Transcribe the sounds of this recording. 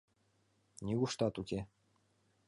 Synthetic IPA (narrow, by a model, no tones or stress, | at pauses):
nʲiɣuʂt̪ɑt̪ukʲe